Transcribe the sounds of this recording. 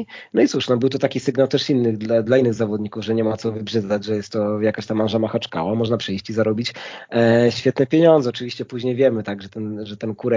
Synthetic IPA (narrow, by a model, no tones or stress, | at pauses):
nɔit̪suʂnɔbɘwt̪ɔt̪akʲisɘɡnawt̪ɛʂinːɘɣd̪lad̪lainːɘɣzavɔd̪ɲikuvʐɛɲɛmat̪sɔvɘbʐɛzad͡ʑʐɛjɛst̪ːɔjakaɕt̪amːanʐamaxat͡ʂka̰wamɔʐnapʂɛjɕt͡ɕizaɾɔbʲit͡ɕ | ɕfʲjɛt̪nɛpʲjeɲɔnd̪zɛɔt͡ʂɘvʲiɕt͡ɕɛpuʑɲejvʲjɛmɘt̪aɡʐɛt̪ɛnʐɛt̪ɛnkuɾɛ